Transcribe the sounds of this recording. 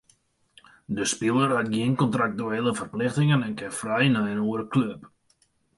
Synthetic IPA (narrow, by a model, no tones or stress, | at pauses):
dəspilˠərat̚ɡjinkɔntrak̚tuelˠəfərplɪχtɪŋənɛnkɛfrɛjnœjənuəɾəkløp